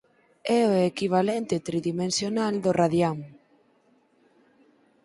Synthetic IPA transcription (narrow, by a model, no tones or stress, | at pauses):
ɛoekiβ̞alɛnt̪ɪt̪ɾiðimẽnsjonald̪oraðjaŋ